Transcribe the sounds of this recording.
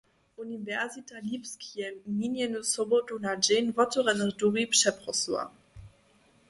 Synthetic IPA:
ʔunivɛʁzitalipskjɛvmʲiːnjɛnusɔbɔtunad͡ʒɛnvɔtuʁɛnəʁduʁipʂɛpʁɔsla̰

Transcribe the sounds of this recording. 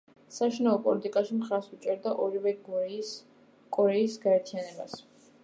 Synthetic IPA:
saʃinaɔpʼɔlit̪ʼikʼaʃimχaɾsut͡ʃʼɛɾd̪aʔɔɾivɛɡ | kʼɔɾɛisɡaɛɾt̪ʰianɛba̰s

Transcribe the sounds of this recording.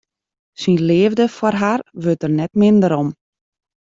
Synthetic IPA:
sinleːvdəfwɔrɦarʋøtərnɛtmɪndəɾɔm

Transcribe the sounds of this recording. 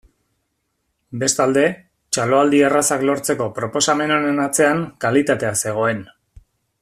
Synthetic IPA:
be̞st̪ald̪e̞ | t͡ʃalo̞ald̪ierasaklo̞ɾt͡se̞ko̞pɾo̞po̞same̞no̞nenat͡se̞aŋkalit̪at̪e̞ase̞ɣ̞o̞e̞n

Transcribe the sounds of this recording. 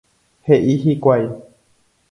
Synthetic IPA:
heʔiɦikʷaj

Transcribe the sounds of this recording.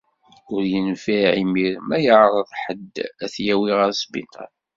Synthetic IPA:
ʊɾjənfiʕimiɾmæjəʕɾˤəðˤħəd̪æθjæwiʁaɾsbḭt̪ɑ̰n

